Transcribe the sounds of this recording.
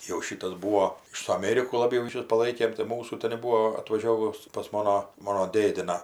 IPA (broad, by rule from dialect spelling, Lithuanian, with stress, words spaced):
jɛʊ ˈʃʲiːtɐs ˈbuːoː ɪr sʊ ɐˈmʲeːrʲɪkʊ lˠɐˈbʲɛʊ rʲiːˈʃʲʊs pɐˈlˠɐɪkʲeːm tɐɪ ˈmuːsuː tʲɛnʲ ˈbuːoː ɐtʋɐˈʒʲoːʋʊs pɐs ˈmoːnoː ˈmoːnoː ˈdʲeːdʲɪnɑː